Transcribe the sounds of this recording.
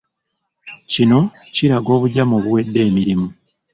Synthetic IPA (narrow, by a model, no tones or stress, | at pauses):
cino̞ | ciɾaɡo̞ːβuɟamoβuwe̞dːe̞ːmiɾimu